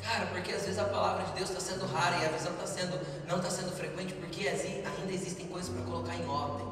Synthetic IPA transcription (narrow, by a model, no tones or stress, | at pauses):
kaɾɐpoɾkeazvezɪzɐpalavɾɐd͡ʒɪd̪ewst̪asẽnd̪ʊɦaɾɐɪɐvizɐ̃w̃t̪asẽnd̪ʊ | nɐ̃w̃t̪asẽnd̪ʊfɾekwẽnt͡ʃɪpoɾkeasĩaĩnd̪ɐezist̪ẽj̃kojzɐspɾɐkolokaɾẽɔd̪ẽ